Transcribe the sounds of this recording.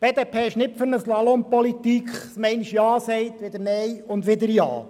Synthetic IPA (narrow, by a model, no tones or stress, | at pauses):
b̥eːd̪eːpʰeːɪʃnɪpfɵɾnəslɑlompɔlit̪ikχsmɛɪniʃjɑːsɛɪt̪ʋɪd̪əɾnɛjʊnd̪ʋɪd̪əɾjɑ̰ː